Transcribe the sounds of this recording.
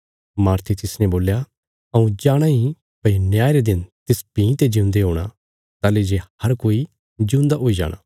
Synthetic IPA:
maːɾt̪ʰit̪ɪsnɛ̃boːlja | ɐũd͡ʒaːɽ̃aɦĩ | pɐnjaːeɾed̪ɪnt̪ɪspĩːt̪ed͡ʒĩnd̪eɦoːɽ̃a | t̪aːled͡ʒehɐɾkoːi | d͡ʒũːnd̪aɦoːid͡ʒa̰ːɽ̃a̰ː

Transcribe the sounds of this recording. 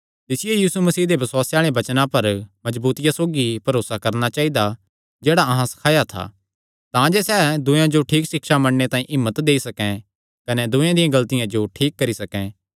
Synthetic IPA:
t̪ɪsɪjejiːsumɐsiːd̪ebɐswaːseaːɭebɐt͡ʃnãpɐɾmɐd͡ʒbuːt̪ɪjãsoːɡipɐɾoːsakɐɾnat͡ʃaːid̪a | d͡ʒeːɽaɐɦãsɐ̥kʰaːjat̪ʰa̰ː | t̪ãd͡ʒesɛːd̪ʊjãd͡ʒoʈʰiːkʃɪkʃamɐɽnet̪ãːĩʔɪmːət̪d̪eːisɐkɛ̃ | kɐnɛd̪ʊ̃jãd̪ɪjãɡɐlt̪ɪjãd͡ʒoʈʰiːkːɐɾisɐkɛ̃

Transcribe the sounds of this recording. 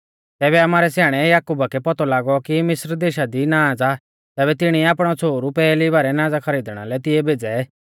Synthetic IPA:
t̪ɛːβɛɐmaːɾɛsjaːɽ̃ɛjaːkuːbakɛpɔt̪ɔlaːɡɔkimɪsɾd̪eːʃad̪inaːd͡za | t̪ɛːbɛt̪ɪɽ̃iaːpɽ̃ɔt͡sʰoːɾupɛːlibaːɾɛnãːd͡zakʰɐɾiːd̪ɽ̃a̰lɛt̪ɪɛbʱeːd͡zɛ

